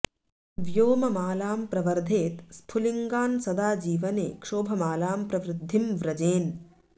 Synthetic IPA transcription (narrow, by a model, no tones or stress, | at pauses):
ʋjoːmɐmaːlaːmpɾɐʋɐɾd̪ʱeːt̪spʰuliŋɡaːnsɐd̪aːd͡ʒiːʋɐnḛːkʂoːbʱɐmaːlaːmpɾɐʋɾɪd̪ʱːimʋɾɐd͡ʒeːn